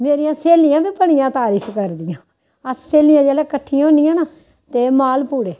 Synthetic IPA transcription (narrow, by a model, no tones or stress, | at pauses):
meːɾijãːseːlɪjãːbiːpəɽ̃ɪjãːt̪aːɾiːkʰkəɾd̪ɪjãː | əsseːlɪjãːd͡ʒɛːlãːkəʈʰːijõːnɪjãːnaː | t̪eːmaːlpuːɽeː